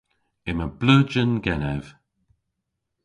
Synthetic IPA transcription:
ɪməbləːd͡ʒənɡɛnɛv̥

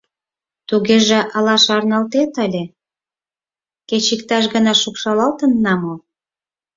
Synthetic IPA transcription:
t̪uɣeʒĕʔɑlɑʃɑrnɑlt̪et̪əlʲe | ket͡ɕikt̪ɑʃ̬ɣənɑʃukʃɑlɑlt̪ənːɑmo

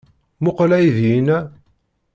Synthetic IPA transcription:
mʊqlæjðjinæ

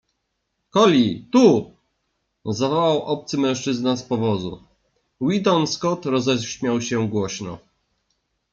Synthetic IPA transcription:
kɔlʲit̪u | zavɔwawʔɔp̚t̪sɘmɛ̃w̃ʂt͡ʂɘznaspɔvɔzṵ | wid̪ɔnskɔt̪ɾɔzɛɕmʲjawɕɛɡwɔɕnɔ̰

